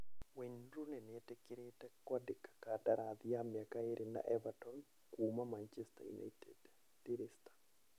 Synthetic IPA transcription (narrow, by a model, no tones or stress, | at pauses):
weɲɾunɛnɛtɛkɪɾetɛkwadɪkḁkataɾad̪jamjakaeɾʔina̰ʔɛvatɔn | kumamant͡ʃɛsta̰jṵna̰ted | tiɾɪstḁ